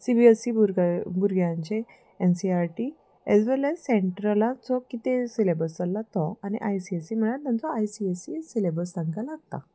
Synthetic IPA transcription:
sibiesibuɾɡbuɾɡʱjãɲt͡ɕe | ensiaɾʈi | ɛzʋɛlɛzsẽɳʈɾəlãt͡sɔkit̪ẽsilebəlsalːat̪ɔanḭʔajsiesim̤əɽat̪ãnt͡sɔajsiesisilebəɾsãŋkalaɡ̚t̪a̰

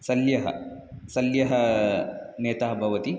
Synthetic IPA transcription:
sɐljɐɦɐ̰sɐljɐɦɐ | neːt̪aɦɐbʱɐʋɐt̪i

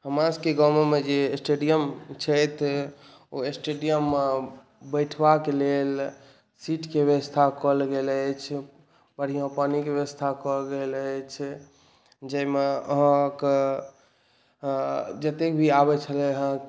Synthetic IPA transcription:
həmãskeɡəmemed͡ʒesʈeɖijəmt͡ʃʰət̪ʰ | oesʈeɖijəmːe | bəʈʰbakelel | siʈkebəʋəst̪ʰakəlɡelət͡ʃʰ | bəɽ̤ijãpanikebjəəst̪ʰakɔɡelt͡ʃʰ | d͡ʒəjmeəɦə̃k | d͡ʒət̪ekbʱiabɛt͡ʃʰəlɛɦə̃k

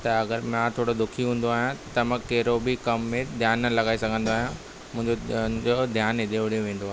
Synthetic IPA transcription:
t̪ɐɐɡəɾmãt̪ʰoːɽod̪ʊkʰiɦũːn̆d̪oaːɦjãt̪ɐmə̃kɐɦɪɾobʱikɐmːẽd̪ʱjaːnːɐlɐɡaːisɐɡʱə̃nd̪oaːɦjã | mʊ̃ɦɪ̃ɲd͡ʑod͡ʑod̪ʱjaːnɪd̪eʋɽeʋẽːn̆d̪oaɦe

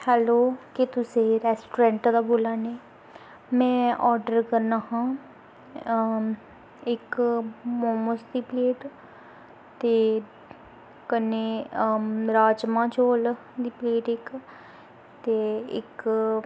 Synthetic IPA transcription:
hɛːloːket̪ʊseːɾɛːsʈoːɾɛ̃ːɳʈd̪aːboːlaːneː | mɛ̃ːʔɔːɾɖəɾkəɾnaːɦãː | ɪkmoːməsd̪iːpleːʈ | t̪eː | kəneː | ɾaːd͡ʒmãːt͡ʃoːl | d̪iːpleːʈɪk | t̪eːɪ̰k

